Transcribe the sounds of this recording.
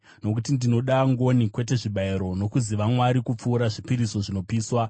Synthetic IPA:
no̞kutindino̞ɗaŋɡo̞nikwe̞te̞ʐiɓaiɾo̞no̞kuziʋamwaɾikup͡fuːɾaʐipiɾiso̞ʐino̞piːswa

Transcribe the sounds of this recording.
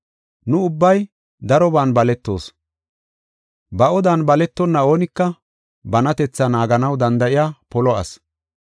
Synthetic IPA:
nʊʊbːɐj | d̪ɐɾɔbaːnbɐlɛt̪ːo̞̰ːs | bɐɔd̪aːnbɐlɛt̪ːɔnːɐo̞ːnɪkːɐ | bɐnɐt̪ɛt͡sːɐnaːɡɐnɐwd̪ɐnd̪ɐʔɪjaːpɔlɔɐ̰s

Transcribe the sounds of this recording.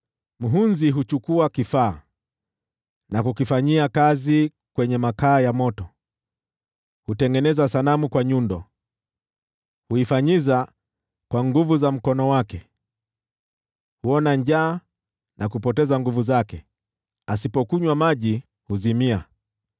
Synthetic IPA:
m̩ɦunziɦut͡ʃukuakifaː | nakukifaɲiakazi | kwɛɲɛmakaːjamɔtɔ | hutɛŋɡɛnɛzasalamukwaɲundɔ | huifaɲiza | kwaŋɡuvuzam̩kɔnɔwakɛ | huɔnaɲd͡ʒaː | nʔakupɔtɛzaŋɡuvuzakɛ | asipɔkuɲwamaʄi | huzimia

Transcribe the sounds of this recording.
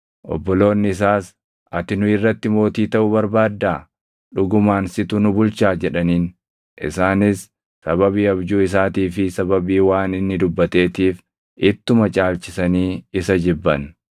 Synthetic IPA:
ʔɔ̰bːɔlo̞ːnːɪɪs̬aːs | ʔɐt̪ɪnʊɪrːɐt̪ːɪmo̞ːt̪iːt̪ɐʔʊbɐɾbaːd̪ːaː | ᶑʊɡʊmaːnsɪt̪ʊnʊbʊlt͡ʃaːd͡ʒɛᶑɐniːn | ʔɪ̰saːnɪsː | ɐbɐβiːɐbd͡ʒuːɪs̬aːt̪iːfɪsɐbɐbiːwaːnɪnːɪd̪ʊbːɐt̪e̞ːt̪iːf | ʔɪt̪ːʊmɐt͡ʃʼaːlt͡ʃɪsɐniːɪsɐd͡ʒɪbːɐn

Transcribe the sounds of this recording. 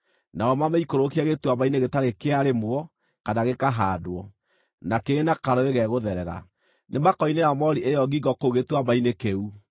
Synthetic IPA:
naɔmameikoɾokiɛɣetwaβaineɣetaɾekeaɾemwɔ | kanaɣekaɦadoɔ | nakeːnakaɾɔeɣɛɣoðɛɾɛɾa̰ | nemakɔineamɔɾiʔejɔɡiɡɔkoɣetwaβainekeu

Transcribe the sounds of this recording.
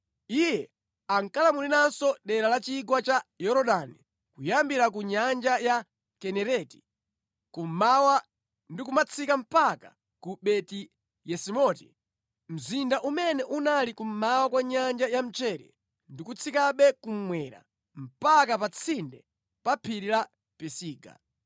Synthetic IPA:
ijɛ | aŋkalamulinansɔɗɛɾalat͡ʃiɡwat͡ʃajɔɾɔɗani | kujambiɾakuɲand͡ʒaja | kɛnɛɾɛti̥ | kum̩mawa | ndikumat͡sʰikam̩paka | kuɓɛti | jɛsimɔtḭ | m̩zindaʔumɛnɛʔunalikum̩mawakwaɲand͡ʒajam̩t͡ʃɛɾɛ̰ | ndikut͡sʰikaɓɛkum̩mwɛɾa̰ | m̩pakapat͡sʰindɛ | papʰiɾila | pɛsiːɡa̰

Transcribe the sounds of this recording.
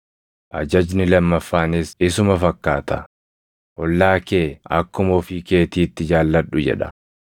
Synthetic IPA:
ʔɐd͡ʒɐd͡ʒnɪlɐmːɐfːaːnesɪsʊmɐfɐkːaːt̪ɐ | ʔɔlːaːke̞ːɐ̰kːʊmɔfɪke̞ːt̪iːt̪ːɪd͡ʒaːlːɐᶑʊd͡ʒɛ̰ᶑɐ̥̰

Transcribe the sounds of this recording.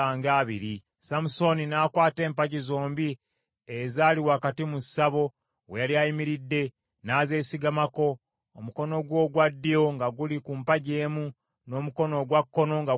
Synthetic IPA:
aːŋɡaːβiɾi | samuso̞ninaːkwaːte̞ːmpaɟizoːmbi | ezaːliwaːkatimusaβo̞ | wejaliajimiɾidːe̞ | naːze̞ːsiɡamako̞ː | muko̞no̞ɡwo̞ːɡwadːijo̞ŋɡaɡulikuːmpaɟe̞ːmu | no̞ːmuko̞no̞ɡwakːo̞no̞ŋɡa

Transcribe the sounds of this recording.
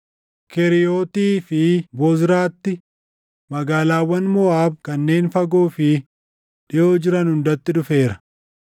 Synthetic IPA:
kɛɾɪjoːt̪iːfɪbɔzɾaːt̪ːɪ | mɐɡaːlaːwːɐnmɔaːb̚kɐnːe̞ːnfɐɡoːfɪ | ᶑɪjo̞ːd͡ʒɪɾɐnhʊnd̪ɐt̪ːɪᶑʊfe̞ːɾɐ̥

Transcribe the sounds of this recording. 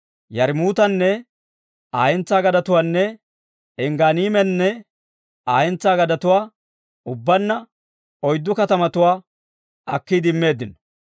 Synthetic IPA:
jɐɾmuːt̪ɐnːɛ | aːjɛnt͡sːaːɡɐd̪ɐt̪ʊwaːnːɛ | ɛŋɡaːniːmɛnːɛ | aːjɛnt͡sːaːɡɐd̪ɐt̪ʊwaː | ʊbːɐnːɐ | ɔjd̪ːʊkɐt̪ɐmɐt̪ʊwaː | ɐkːid̪ɪmːe̞ːd̪ːɪnɐ

